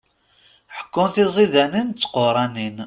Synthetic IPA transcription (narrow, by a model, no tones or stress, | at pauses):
ħə̥kːʊnθizˤiðænint͡sːqoɾˤɑnin